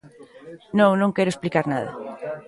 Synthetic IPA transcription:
nõŋnõŋkɛɾʊesplikaɾnaðɐ̰

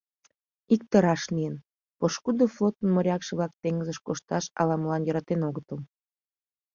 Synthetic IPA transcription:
ik̚t̪əɾɑʃlijən | poʃkud̪oflot̪ənmoɾʲɑkʃəβlɑk̚t̪eŋɡəzəʃkoʃt̪ɑʃɑ̰lɑməlɑnjəɾɑt̪enoɣət̪əl

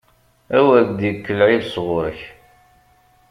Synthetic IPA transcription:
æwæɡd̪jəkːəlʕiðsʁʊɾəç

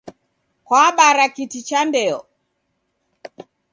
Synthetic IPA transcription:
kwaɓaɾakitit͡ʃandɛɔ

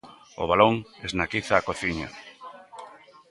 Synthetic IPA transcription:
o̰βaloŋeznakiθaːkoθiɲa̰

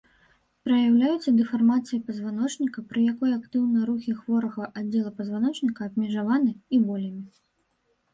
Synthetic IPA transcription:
pɾɐjawlʲajut̪sːɐd̪ɨfarmat̪sɨjɐpɐzvanɔt͡ʂnʲikɐpɾɨjakɔjakt̪ɨwnɐjɐɾuxʲixvɔɾɐɣɐʔadd͡zʲːɛlˠɐpɐzvanɔt͡ʂnʲikɐːbʲmʲɛʐavanɨibɔlʲɐmʲi

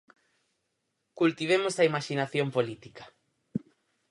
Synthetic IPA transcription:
kult̪iβ̞emosɐimaʃinaθjompolit̪ikḁ

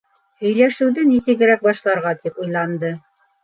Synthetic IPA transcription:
hɵ̆jlæʃɘ̆wðɘnisɘ̆kɘ̆ɾæk̚bɑʃlˠɑɾʁɑt̪ipujlˠɑnd̪ɤ

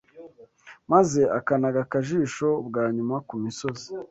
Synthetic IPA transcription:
maze̞akanaɡakaʒiːʃo̞bɡaːɲumakumiso̞zi̥

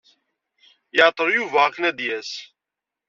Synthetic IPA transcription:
jəʕt̪ˤəɾjuvaʁknæd̪jæs

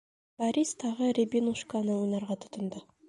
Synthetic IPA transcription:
b̥aɾʲist̪ʰɑʁəɾʲebʲinuʃkanəwojnɑɾʁɑt̪ʰʊ̥t̪ʊ̆nd̪ə

